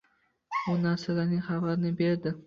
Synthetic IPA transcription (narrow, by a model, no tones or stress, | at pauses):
bʊnaɾsalaɾnɪŋχavaɾnɪbe̞ɾd̪ɪ